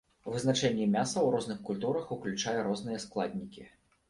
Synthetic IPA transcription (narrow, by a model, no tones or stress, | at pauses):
vɨznat͡ʂɛnʲːɛmʲasɐwrɔznɨxkulʲt̪uɾɐxuklʲut͡ʂajɐɾɔzn̪ɨjɐsklˠad̪ʲnʲikʲi